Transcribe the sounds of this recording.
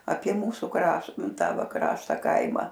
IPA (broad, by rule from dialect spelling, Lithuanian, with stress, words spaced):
ɐpʲiɛ ˈmuːsʊ ˈkrɐʃ ˈnʊ ˈtɑː ˈʋɐ ˈkrɑːʃtɐ ˈkɐɪmɐ